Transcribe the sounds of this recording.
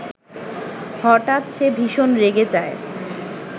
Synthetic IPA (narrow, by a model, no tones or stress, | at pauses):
hɔʈat̪ʃebʱiʃonɾeɡed͡ʑae